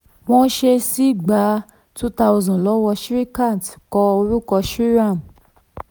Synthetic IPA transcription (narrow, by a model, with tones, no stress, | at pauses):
w̃ɔ̃˦ʃe˧si˦ɡ͡ba˨˦ | tu˦ta˧u˧zɔ̃˨lɔ˨˦wɔ˧ʃɾi˦kã˦˨tkɔ˧o˧ɾu˦kɔ˧ʃɾi˦ɾã˦˨m